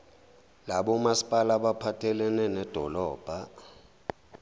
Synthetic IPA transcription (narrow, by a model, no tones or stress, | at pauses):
laɓɔmasi̥pʼalaɓapʰatʰɛlɛnɛnɛd̥ʱɔlɔːb̥ʱa